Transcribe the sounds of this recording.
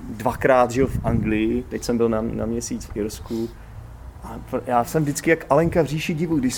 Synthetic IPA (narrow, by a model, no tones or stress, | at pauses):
dvakɾaːt̪ʒɛofʔaŋɡlɪjɪt̪ɛcsɛmbɪlnana̰mɲɛsiːt͡sfɪɾsku | ʔapɾjaːsɛmvdɪt͡skɪjakʔalɛŋkavr̝iːʃɪɟɪvuɡdɪʃs